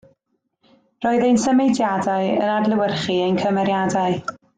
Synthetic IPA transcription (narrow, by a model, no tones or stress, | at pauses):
rɔːɨðejnsəmejdjadaɨə̰nadləwərχiejnkʰəmɛɾjadaɨ